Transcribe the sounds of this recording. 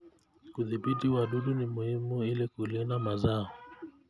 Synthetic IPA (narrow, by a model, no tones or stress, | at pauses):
kuðiɓitiwaɗuɗunimuhimuilikulinamazaɔ